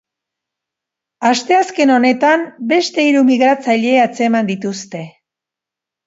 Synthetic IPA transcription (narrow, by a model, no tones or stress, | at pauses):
ast̪e̞aske̞no̞ne̞t̪ambe̞st̪e̞iɾumiɣɾat͡saʎe̞at͡se̞mand̪it̪ust̪e̞